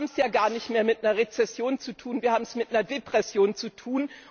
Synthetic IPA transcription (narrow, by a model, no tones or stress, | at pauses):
bm̩sjaːɡaːɐnɪçtmeːɐmɪtnɐɐʁet͡sɛsjoːnt͡sutʰuːnviːɐhaːm̩smɪtnɐɐdepʁ̥ɛsjoːnt͡sutʰuːn